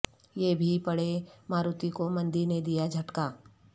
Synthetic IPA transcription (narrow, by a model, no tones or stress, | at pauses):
jeːbʱipɐɽemaːɾut̪ikomɐ̃nd̪iɾned̪ijad͡ʒʱɐʈkaː